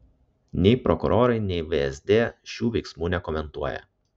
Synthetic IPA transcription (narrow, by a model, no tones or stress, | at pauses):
nʲɛɪpɾɔkʊ̰ɾʔoːɾɐɪnʲɛɪʋeɛzʲd̪ʲeːʃʲuːʋʲɛɪksmuːnʲɛkɔmʲɛnt̪uɔjɛ̰